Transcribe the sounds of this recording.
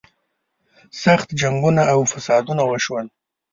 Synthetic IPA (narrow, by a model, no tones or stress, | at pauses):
saxt̪d͡ʒaŋɡunaʔːwfasɑd̪unawəʃwan